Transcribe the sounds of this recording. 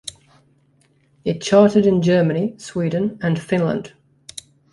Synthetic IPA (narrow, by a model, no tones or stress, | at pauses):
ɪt̚t͡ʃʰɑˑtɪɾɪ̃nd͡ʒɜːməniswiːdⁿn̩ə̃nfɪ̃nlə̰̃nd̥